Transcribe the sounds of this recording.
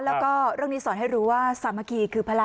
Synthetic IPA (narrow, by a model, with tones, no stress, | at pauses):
lɛː˦˥wkɔː˥˩ɾɯ˥˩ŋniː˦˥sɔː˩˦nɦa˥˩jɾuː˦˥waː˥˩saː˨˩˦ma˧˩kiː˧˩kʰɯː˧pʰa˧la˧